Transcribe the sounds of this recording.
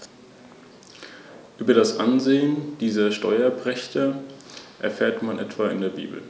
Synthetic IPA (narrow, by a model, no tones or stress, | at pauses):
ʔyːbɐɾasʔanzeːənd̥iːzɐʃtɔʏɐpʁ̥ɛçtʰɐ | ʔɛɐfɛːɐtmanʔɛ̰tv̥aɪ̰ndeːɐbḭːbl̩